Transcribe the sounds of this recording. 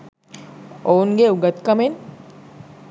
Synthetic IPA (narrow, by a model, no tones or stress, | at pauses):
ounɡeuɡət̪kɐmen